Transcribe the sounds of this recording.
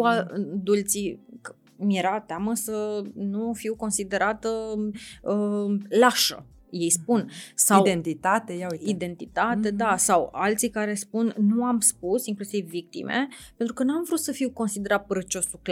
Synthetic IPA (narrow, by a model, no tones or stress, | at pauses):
ad̪ult̪sikə | mjeɾat̪eaməsənufiwko̞nsid̪e̞ɾat̪ə | əlaʃə̰ | je̞jspunsawd̪ent̪it̪at̪ejaid̪e̞nt̪it̪at̪e̞d̪asawalt̪sikaɾe̞spunːuamspusiŋklusivːik̚t̪ḭmḛpe̞nt̪ɾukənuamvɾut̪səfiwko̞nsid̪e̞ɾat̪̚pəɾət͡ʃo̞suk